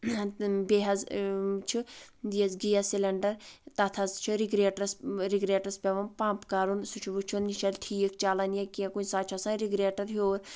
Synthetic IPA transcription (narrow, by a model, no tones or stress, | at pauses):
beɦɐzt͡ʃʰid̪iɐzɡijasilɐɳɖɐɾt̪ɐt̪ʰɐzt͡ʃʰiɾiɡɾeːʈsɾiɡɾeːʈɐspʲeʋɐnpãːmpkaːɾunsut͡ʃʰuʋut͡ʃʰunːiʃʰɐlt̪ʰiːjikʰt͡ʃaːlɐnjekiẽkunʲsaːt͡ʃʰɐsãːɾiɡɾeːʈɐɾɦoːɾ